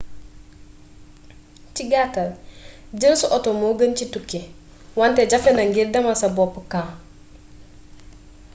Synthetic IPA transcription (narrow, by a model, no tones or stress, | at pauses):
t͡ʃiɡatald͡ʒənsuʔɔtomoɡənt͡ʃitukːe | wanted͡ʒafenaŋɡiɾdɐmasabɔpːəka